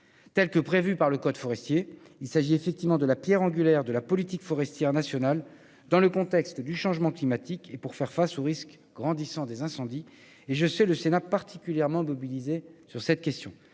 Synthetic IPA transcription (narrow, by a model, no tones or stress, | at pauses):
t̪ɛlkəpχevypaʁləkɔd̪fɔʁɛst̪je | ilsaʒiefɛk̚t̪ivmɑ̃d̪əlapjɛʁɑ̃ɡʲyljɛʁd̪əlapɔlit̪ikfɔʁɛst̪jɛʁnasjɔnal | d̪ɑ̃ləkɔ̃t̪ɛkst̪d̪yʃɑ̃ʒmɑ̃klimat̪ikepuʁfɛʁfasoʁisk | ɡ̥ʁɑ̃d̪isɑ̃d̪ezɛ̃sɑ̃d̪i | eʒəsɛləsenapaʁt̪ʰi̥kʲyljɛʁmɑ̃mɔbilizesyʁsɛt̪̚kʲɛst̪jɔ̰̃